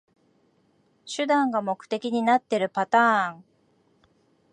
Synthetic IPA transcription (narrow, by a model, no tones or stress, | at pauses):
ɕɨd̪ãŋɡamo̞kɯ̟̥t̪e̞kʲiɲ̟inat̪ːe̞ɾɯ̟pat̪ãːŋ